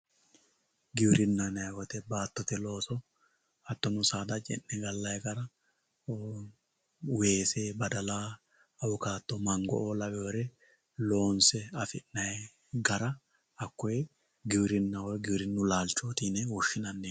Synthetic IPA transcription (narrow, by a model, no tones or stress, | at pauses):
ɡɪwɾɪnːɐnɐjwɔt̪ɛbaːt̪ːɔt̪ɛlo̞ːsɔ | ɐt̪ːɔnʊsaːd̪ɐt͡ʃʼɛ̰nːɛɡɐlːɐjɡɐɾɐ | weːseːbɐd̪ɐlaː | ɐwʊkaːt̪ːɔmɐŋɡɔ̰ʔoːlɐwɛwɔɾɛ | lo̞ːnsɛɐfɪnːɐjɛ | ɡɐɾɐ | ɐkːɔjɛ | ɡɪwɾɪnːɐwɔɡɪwɾɪnːʊlaːlt͡ʃːoːt̪inɛwʊʃːɪnɐnːeː